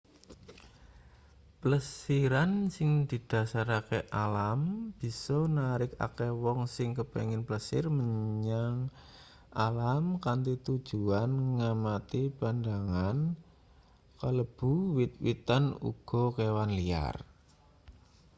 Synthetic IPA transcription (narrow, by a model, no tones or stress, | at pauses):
pləsiɾansɪŋd̪̥i̤d̪̥a̤saɾakeʔalamb̥i̤sɔnaɾɪka̰kewɔŋsɪŋkəpḛŋɪnpləsɪ̰rməɲɲaŋ | ʔalamkant̪it̪ud̥ʒ̥uanŋamat̪ipand̪aŋan | kələb̥uwit̪̚wit̪anṵɡ̥ɔ̤kewanlia̰r